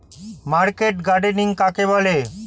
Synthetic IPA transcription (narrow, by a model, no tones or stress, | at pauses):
maɾkeʈɡaɖeniŋkakebɔle